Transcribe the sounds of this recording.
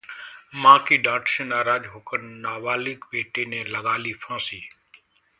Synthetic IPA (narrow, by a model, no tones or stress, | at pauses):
mãːkiːɖãːʈʃẽːnaːɾaːd͡ʒɦoːkənnaːʋaːlɪkbeːʈeːnẽːləɠaːliːfʰãːsiː